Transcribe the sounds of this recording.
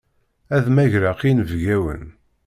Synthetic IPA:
æðmæʝɾaqinvɡæwə̰n

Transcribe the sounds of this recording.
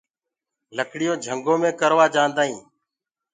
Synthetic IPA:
ləkɽɪjoːd͡ʒʱəŋɡõːmẽːkəɾʋaːd͡ʒãːnd̪aːɦĩː

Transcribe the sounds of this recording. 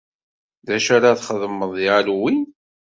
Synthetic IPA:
ðæʃaɾaθχəðmːəðˤjalwi

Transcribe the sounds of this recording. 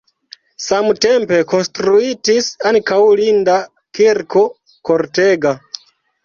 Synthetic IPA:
samte̞mpe̞ko̞nstɾuitisankawlinda | kiɾko̞ | koɾteɡa

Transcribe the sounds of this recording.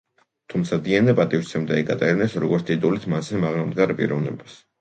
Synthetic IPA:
t̪ʰumt̪sʰad̪iɛnɛpʼat̪ʼift̪sʰɛmd̪aɛɡat̪ʼɛɾinɛsɾɔɡɔɾt̪t̪ʼit̪ʼulit̪ʰmasɛmaʁnamd̪ɡaɾpʼḭɾɔvnɛ̰bas

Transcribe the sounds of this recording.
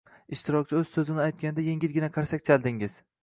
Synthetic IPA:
ɪʃt̪ʰɪɾɒk̚ʲt͡ʃʰɪɵz̥sɵzɪnɪajt̪̚kʲand̪aje̞ŋʲɪlɡʲɪnaqʰaɾsakʲt͡ʃʰalˠd̪ɪŋɪz̥

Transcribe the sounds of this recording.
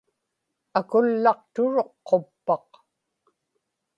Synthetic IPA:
akʊlːɑqt̪ʊɻo̞qːo̞pːɑq

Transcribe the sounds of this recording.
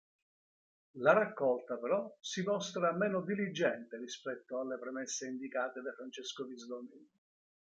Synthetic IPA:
laɾakːɔlt̪apeɾɔsimɔst̪ɾamɛːnod̪ilid͡ʒːɛnt̪erispɛt̪ːoalːepɾɛmɛsːeind̪ikaːt̪ed̪afɾant͡ʃeskovizd̪ɔni

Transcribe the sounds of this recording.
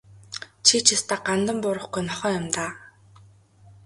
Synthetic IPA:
t͡ɕʰit͡ɕʰɪst̪aːɢant̪ə̆mpʊɾə̆χɡujnɔχœːjʊmt̪aː

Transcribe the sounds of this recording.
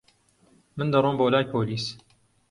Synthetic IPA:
mɨnd̪ɐrˤoːmboːwlaːjpʰoːliːs

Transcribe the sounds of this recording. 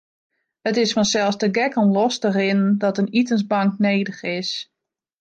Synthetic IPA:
hətɪsfɔnsɛlˠsdəɡɛkɔnlɔstərɪnəndɔtənitənsbɑŋkneːdəxɪs

